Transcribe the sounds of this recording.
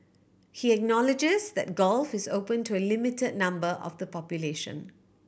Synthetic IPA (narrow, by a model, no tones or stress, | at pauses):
hiɛk̚nɔlɪd͡ʒɪzðɛ̰t̚ɡɔlfɪzoːpə̃ntʰuəlɪmɪtəd̚ⁿnãmbəʔɔ̰vd̪ðəpɔpjuleʃə̰̃n